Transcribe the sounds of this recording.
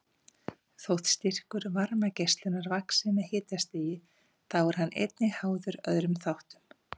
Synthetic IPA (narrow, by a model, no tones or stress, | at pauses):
θowht̪st̪ir̥kʏɾvaɾmacejst̪lɪnːaɾvaksɪnːahɪːt̪ast̪iːjɪ | θawɛɾ̥hanːʔḛjt̪̚nɪhaːwðʏɾœðɾʏmθawht̪ʏm